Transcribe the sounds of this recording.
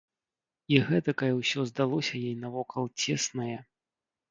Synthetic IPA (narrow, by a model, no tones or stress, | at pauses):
iɣɛt̪ɐkɐjʲɛwsʲɔzd̪alˠɔsʲɐjejnɐvɔkʰɐlˠt͡sʲɛsnɐjɛ